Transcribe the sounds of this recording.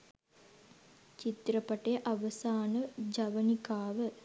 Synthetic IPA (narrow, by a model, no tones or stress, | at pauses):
t͡ʃit̪ɾɐpɐʈejʔɐʋɐsaːnəd͡ʒɐʋɐnikaːʋə